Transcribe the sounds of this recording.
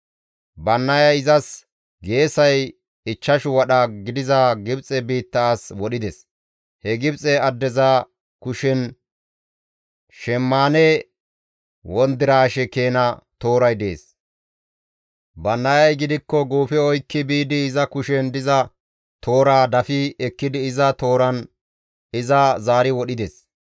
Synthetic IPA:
bɐnːɐjɐjɪzɐs | ɡe̞ːsɐj | ɪt͡ʃːɐʃʊwɐɗɐɡɪd̪ɪzɐɡɪbt͡sʼɛbiːt̪ːaːswɔɗɪd̪ɛs | hɛɡɪbt͡sʼɛɐd̪ːɛza | kʊʃɛn | ʃɛmːaːnɛ | wɔnd̪ɪɾaːʃɛke̞ːnɐt̪o̞ːɾɐjd̪ḛːs | bɐnːɐjɐjɡɪd̪ɪkːɔɡuːfɛɔjkːɪbiːd̪ɪːzɐkʊʃɛnd̪ɪzɐ | t̪ʰo̞ːɾaːd̪ɐfɪɛkːɪd̪ɪːzɐt̪o̞ːɾɐn | ɪzɐzaːɾɪwɔɗɪd̪ɛs

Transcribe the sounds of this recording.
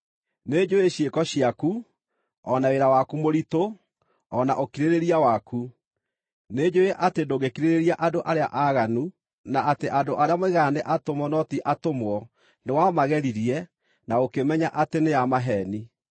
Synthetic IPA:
ned͡ʒoeɕjekɔɕiaku | ɔnaweɾawakumoɾito | ɔna̰ʔokiɾeɾeɾiawakʰu | ned͡ʒoeʔatedoɣekiɾeɾeɾiaʔadoʔaɾea̰ʔaɣanu | naateʔadoʔaɾeameɣaneʔatomwɔnɔtiʔatomwɔ | newamaɣɛɾiɾiɛ | naokemɛɲaʔateneamaɦɛni

